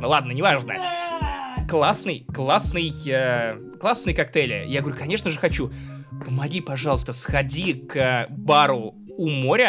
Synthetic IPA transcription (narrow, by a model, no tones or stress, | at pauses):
nəlˠad̪̚nənʲɪvaʐnə̰ | klˠasnɨjklˠasnɨjə | klˠasnɨjkɐk̚t̪ɛlʲɪjaɡəvɐɾʲukɐnʲe̞ʂnəʐɨxɐt͡ɕu | pəmɐɡʲipɐʐɑlˠəst̪əsxɐdʲikəbaɾʊ | umoɾʲə